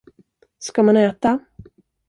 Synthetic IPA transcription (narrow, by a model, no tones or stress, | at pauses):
skamanɛːt̪a